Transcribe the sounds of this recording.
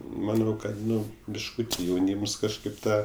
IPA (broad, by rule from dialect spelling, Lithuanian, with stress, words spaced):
mɐˈnɐʊ ˈkɐt ˈnʊ bʲɪʃˈkuːtʲɪ jɛʊˈnʲiːms kɐʃˈkɐɪp ˈtɑː